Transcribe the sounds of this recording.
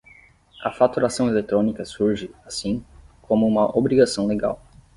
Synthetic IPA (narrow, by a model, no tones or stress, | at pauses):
ɐfat̪uɾasɐ̃w̃elet̪ɾõnikɐsuɾʒɪasĩkʰõmʊũmɐʔobɾiɡasɐ̃w̃leɡa̰w